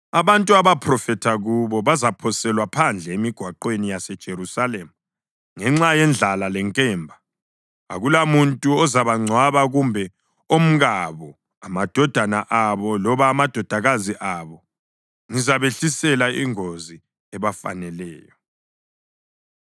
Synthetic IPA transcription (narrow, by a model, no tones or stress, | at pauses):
aβantʼuaβapʰrɔfɛtʰaɣuβɔβazapʰɔsɛlwapʰand͡ɮʱɛemiɡ̥ʱwaǃwenijasɛd̥ʒ̥ʱeɾusalɛmu | ŋɛŋ͡ǁajɛnd͡ɮʱalalɛŋkʼɛːmbʱa | a̰ɣulamuntʼuɔzaβaŋ͡ǀʱwaβaɣumbʱɛ | om̩ɣaβɔ | amad̥ʱɔd̥ʱanaʔaβɔlɔβaːmad̥ʱɔd̥ʱaɣaziʔaβɔ | ŋizaβeɬisɛlaiŋozi | ɛβafa̰nɛlɛːjɔ